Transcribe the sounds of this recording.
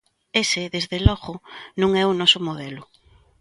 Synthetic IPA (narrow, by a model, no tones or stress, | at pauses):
esɪðezðelɔɣʊnõŋɛʊnɔsʊmoðɛlʊ